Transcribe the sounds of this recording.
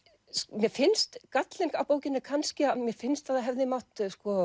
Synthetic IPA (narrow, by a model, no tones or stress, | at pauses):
mjɛfɪnst̪kat̪lejŋkawpoːwcɪnːɪkʰanscɪamjɛfɪnst̪θaðaɦɛvðɪmawht̪skɔ